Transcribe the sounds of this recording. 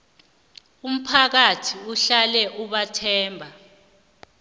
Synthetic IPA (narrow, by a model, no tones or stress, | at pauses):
um̩pʰak̬atʰiuɬalɛʔuɓatʰɛːmbʱa